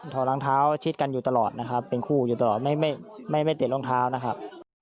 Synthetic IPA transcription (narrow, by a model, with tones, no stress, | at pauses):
t̪ʰɔː˨˩˦laː˧˦ŋt̪ʰaː˦˥wt͡ɕʰi˦˥t̪̚ka˧njuː˨˩t̪a˧lɔː˨˩t̪̚na˦˥kʰa˦˥pːe˧nkʰuː˥˩juː˨˩t̪a˧lɔː˨˩t̪̚ma˥˩jma˥˩jma˥˩jma˥˩jt̪i˨˩lo˥˩ŋt̪ʰaː˦˥wna˦˥kʰa˦˥p̚